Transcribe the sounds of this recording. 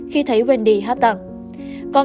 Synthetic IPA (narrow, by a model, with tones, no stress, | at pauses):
xi˧t̪ʰə˨˦jwe˨˧˩nɗḭ˧˨˩ɦaː˦˥t̚t̪a˧˩ŋ | kɔ˧n